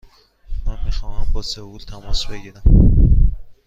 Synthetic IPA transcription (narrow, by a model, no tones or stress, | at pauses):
mænmiːxɒːhæmbɒsevult̪ʰæmɒsbe̞ɟiɾæm